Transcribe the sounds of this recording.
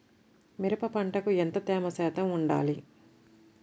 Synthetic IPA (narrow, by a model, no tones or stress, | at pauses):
miɾɐpɐpɐɳʈɐkuent̪ɐt̪ɛːmɐsɛːt̪ɐmuɳɖa̰ːli